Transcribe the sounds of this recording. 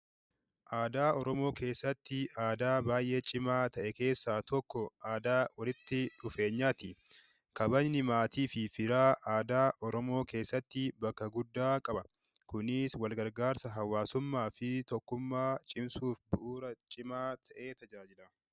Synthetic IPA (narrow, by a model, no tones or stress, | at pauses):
ʔaːd̪aːɔɾɔmo̞ːkʰe̞ːsːɐt̪ːɪʔaːd̪aːbaːjʔe̞ːt͡ʃʼɪmaːt̪ɐʔɛke̞ːsːaːt̪ɔkːɔaːd̪aːwɐlɪt̪ːɪᶑʊfe̞ːɲːaːt̪ɪ | kɐbɐɲnɪmaːt̪iːfɪfɪɾaːʔaːd̪aːʔɔɾɔmo̞ːkʰe̞ːsːɐt̪ːɪbɐkːɐɡʊd̪ːaːkʼɐbɐ | kʊnɪswɐlɡɐɾɡaːɾsɐɦɐwaːsʊmːaːfɪt̪ɔkːʊmːaːt͡ʃʼɪmsuːfbʊʔuːɾɐt͡ʃʼɪmaːt̪ʰɐʔe̞ːt̪ɐd͡ʒaːd͡ʒɪlɐ